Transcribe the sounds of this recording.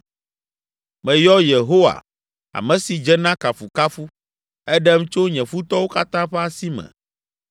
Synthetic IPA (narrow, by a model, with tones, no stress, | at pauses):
mɛ̃˨jɔ˦je˨ɦo˦wa̰˨ | a̰˨mɛ̃˨si˨d͡ʒɛ˦nã˦ka˨fu˨ka˦fu˦ | ɛ˦ɖɛ˦m˦t͡ʃo˦ɲɛ̃˨fu˦t̪ɔ˦wo˦ka˦t̪ã˦ɸɛ˦a˦si˦mɛ̰̃˨